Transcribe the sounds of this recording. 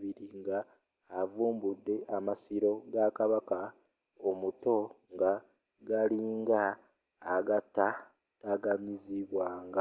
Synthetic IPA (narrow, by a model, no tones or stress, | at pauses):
βiɾiŋɡaː | vuːmbudːe̞ʔamasiɾo̞ɡakaβaka | omuto̞ | ŋɡa | ɡaliːŋɡaː | ɡatːa | taɡaɲiziβwaːŋɡa